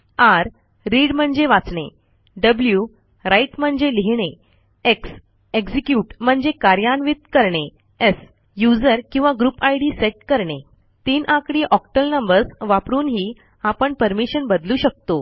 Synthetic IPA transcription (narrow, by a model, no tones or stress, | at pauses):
aɾː | iɽm̤əɳd͡zeʋat͡sɳḛ | ɖəblju | ɾaiʈm̤əɳd͡zeliɦɳe | eks | eɡd͡zikjuʈm̤əɳd͡zekaɾjanʋit̪̚kəɾɳe | es | jud͡zəɾkĩw̃ʋaɡɾupajɽiːseʈ̚kəɾɳe | t̪inʔãkɽiːʔɔkʈəlnəmbəɾsʋapɾuːnɦiː | apəɳpəɾmiɕənbəd̪luːɕək̚t̪o